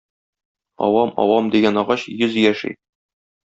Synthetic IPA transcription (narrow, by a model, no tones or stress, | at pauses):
ɒ̰wɑmɒ̰wɑmd̪iɡænɒʁɑɕjɵzjæʃḭ